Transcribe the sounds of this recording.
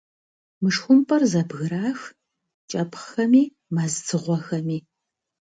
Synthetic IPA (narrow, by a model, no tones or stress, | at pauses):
mɨʂxʷʊmpʼɐrzɐbɣɨɾaːx | t͡ʃʼɐpʰχxɐmiː | mazt͡sʰɨʁʷɔxɐmiː